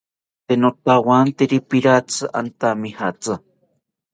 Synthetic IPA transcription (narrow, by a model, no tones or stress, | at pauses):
t̪enot̪awant̪eɾipiɾat͡sɨʔa̰nt̪amihat͡sa